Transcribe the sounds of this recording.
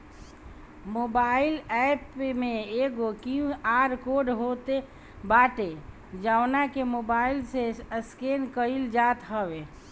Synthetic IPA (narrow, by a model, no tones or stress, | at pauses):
moːbaːɪlɛpmẽeɡokiũaːɾkoːɖɦot̪e | baːʈe | d͡ʒaːwnakemoːbaːɪlseəskeːnkəild͡ʒaːt̪ɦəʋe